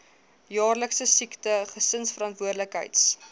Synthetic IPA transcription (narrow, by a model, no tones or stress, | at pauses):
jɑːrləksəsiktəχəsənsfəɾɑntvuərdləkɦə̰jts